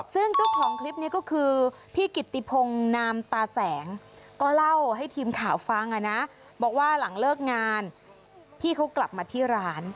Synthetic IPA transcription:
sɯ˥˩ŋt͡ɕa˥˩kʰɔː˨˩˦ŋkʰli˦˥p̚niː˦˥˩kɔː˥˩kʰɯː˧ | pʰiː˥˩ki˨˩t̪ːi˧˩pʰo˧ŋnaː˧mt̪aː˧sɛː˩˦ŋkɔː˥˩la˥˩wha˥˩jt̪ʰiː˧mkʰaː˩˦wfa˧ŋʔa˨˩na˦˥ | bɔː˨˩k̚waː˥˩la˩˦ŋlɤː˥˩k̚ŋaː˧n | pʰiː˥˩kʰa˦˥wkla˨˩p̚maː˧t̪ʰiː˥˩ɾaː˦˥n

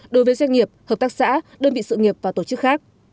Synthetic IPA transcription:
ɗo˨˦jvəː˨˦zwa˧ŋ̟ŋi˨˩əp̚hə˨˩p̚t̪aː˦˥k̚sa̰ː˧˥ɗəː˧nmɓḭ˧˨sɨ̰˧˨ŋi˨˩əp̚vaː˨˩t̪o˧˩t͡ɕɨ˦˥k̚xaː˦˥k̚

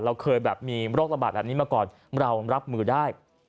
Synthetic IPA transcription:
ɾa˧wkʰɤː˧jbɛː˨˩p̚miː˧ɾoː˥˩k̚ɾa˧baː˨t̪̚bɛː˨˩p̚ni˦˥maː˧kɔː˨˩n | ɾa˧wɾa˦˥p̚mɯː˧daː˥˩j

